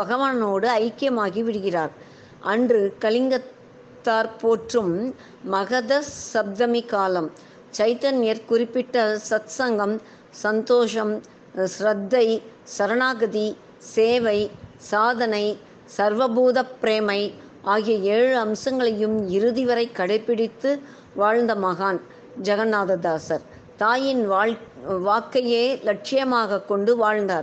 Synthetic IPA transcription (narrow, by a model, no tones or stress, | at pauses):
bɐɣɐʋaːnɐnoːɽɯɐɪkːɪjɐmaːɣiʋɪɽɯɣɪraːɾ | ʔɐndrɯkɐɭɪŋɡɐt̪ː | aːɾpoːʈrɯmː | ɐɣɐðɐsɐb̚d̪ɐmikaːlɐm | t͡ʃɐɪt̪ɐnɪjɐɾkʊrɪpːɪʈːɐsɐt̪sɐŋɡɐm | sɐnt̪oːʂɐm | sɾɐd̪ːɐɪsɐɾɐɳaːɣɐði | seːʋɐɪsaːðɐnɐɪ | sɐɾʋɐbuːðɐpːɾeːmɐɪ | ʔaːɣɪjɐeːɻɯɐmsɐŋɡɐɭɐjɯmɪɾɯðɪʋɐɾɐɪkːɐɽɐɪpːɪɽɪt̪ːɯ | ʋaːɻnd̪ɐmɐɣaːn | d͡ʒɐɣɐnːaːðɐd̪aːsɐɾ | t̪aːjɪn | ʋaːkːɐjeːlɐʈ̚t͡ʃɪjɐmaːɣɐkːɔɳɖɯʋaːɻnd̪aːɾ